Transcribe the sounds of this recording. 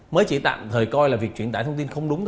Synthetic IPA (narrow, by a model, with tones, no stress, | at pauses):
məː˨˦jt͡ɕḭ˧˩t̪a̰ː˧˨mt̪ʰəː˨˩jkɔ˧jlaː˨˩vi˨˩k̚t͡ɕwi˧˩ənt̪aː˧˩jt̪ʰə˧ŋ͡mt̪i˧nxə˧wŋ͡mɗʊ˨˦ŋ͡mt̪ʰ